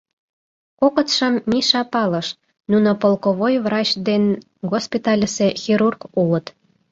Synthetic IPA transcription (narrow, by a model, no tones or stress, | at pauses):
kokət̪ʃəmːiʃɑpɑləʃ | nunopolkoβojvrɑt͡ɕd̪en | ɣospʲit̪ɑlʲisexʲiɾurkulə̆t̪